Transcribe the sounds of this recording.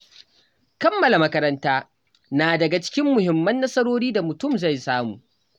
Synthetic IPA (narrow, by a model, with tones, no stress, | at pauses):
kɐ˦mːɐ˨la˨mɐ˦kɐ˦ɾɐ˦ntaː˦ | naː˨dɐ˨ɡa˨t͡ʃɪ̥˦kʲɪ˦mːʊ˨hɪ˨mːɐ˦nːɐ˦sɐ˦ɽoː˦ɽiː˦da˨mʊ˨tʊ˦˨mza˦˨jsaː˦mṵː˨